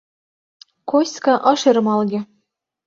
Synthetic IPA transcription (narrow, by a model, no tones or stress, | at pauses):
kosʲkɑʔɤ̆ʃeɾɤ̆mɑlˠɡʲĕ